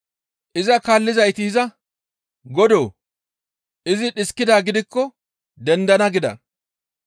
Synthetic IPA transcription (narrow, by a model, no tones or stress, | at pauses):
ʔɪzɐkaːlːɪzɐjt̪ɪɪzɐ | ɡɔd̪oː | ʔɪzɪɗɪskːɪd̪aːɡɪd̪ɪkːɔ | d̪ɛnd̪ɐnɐɡɪd̪ɐ̰n